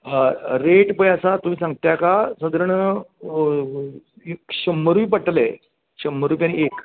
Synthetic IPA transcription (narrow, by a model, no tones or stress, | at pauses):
ɾeʈpəjasat̪um̤iːsãŋɡt̪jakasəd̪əɾəɳ | eɕəmːəɾuʋipəʈle | ɕəm̤əɾuːpʲjaniek